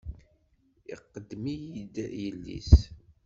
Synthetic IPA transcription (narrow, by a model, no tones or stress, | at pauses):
iqːəd̪ːmijid̪jəlːḭs